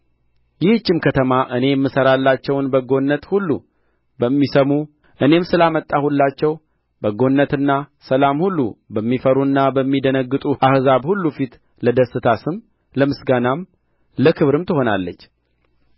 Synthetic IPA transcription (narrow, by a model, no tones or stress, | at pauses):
jɪhɨt͡ʃːɪmkʰət̪ʰəmaʔɨne̞ɛmːɨsəɾalːat͡ʃːɛwnbəɡo̞nːət̪hulːu | bəmːisəmu | ʔɨne̞msɨlamət̪ʼːahulːat͡ʃːɛw | bəɡo̞nːət̪ɨnːasəlamhulːubəmːifəɾuɨnːabəmːid̪ənəɡːɨt̪ʼuʔahzaβhulːufit̪ | ləd̪əsɨt̪ʰasɨm | ləmɨsɡanam | ləkʰɨβɾɨmt̪ɨho̞nalːət͡ʃː